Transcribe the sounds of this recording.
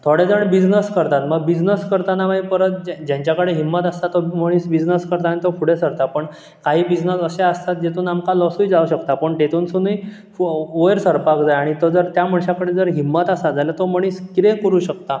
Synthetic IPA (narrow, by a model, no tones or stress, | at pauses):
t̪ʰoɽed͡zəɳbid͡znəskəɾt̪at̪məɡbid͡znəskəɾt̪anaʋaipəɾət̪̚d͡ʑd͡ʑjãɲt͡ɕjakəɽeɦimːət̪ast̪at̪oməɽ̃iːsbid͡znəskəɾt̪aːñit̪opʰuɽesəɾt̪apəɳ | kaɦiːbid͡znəsəseəst̪at̪̚d͡ʑet̪uːnamkalɔsuid͡zauɕəkt̪apəɳʈet̪uːnsunuj | ojəɾsəɾpakd͡zajaɽ̃it̪od͡zəɾt̪jam̤əɳɕakəɽed͡zəɾɦimːət̪asad͡zajlat̪oməɽ̃iːskiɾẽkəɾuːɕək̚t̪a